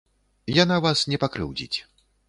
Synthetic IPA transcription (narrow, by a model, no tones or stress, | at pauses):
janavasnʲɛpakɾɨ̰wd͡zʲḭt͡sʲ